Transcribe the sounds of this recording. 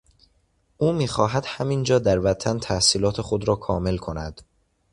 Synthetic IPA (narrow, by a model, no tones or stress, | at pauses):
ʔuːmiːxɒːɦæd̪̥hæmind͡ʒɒːd̪æɾvæt̪ʰænt̪ʰæhsiːlɒːt̪ʰe̞xod̪ɾɒːkʰɒːme̞lkʰo̞næ̰d̪̥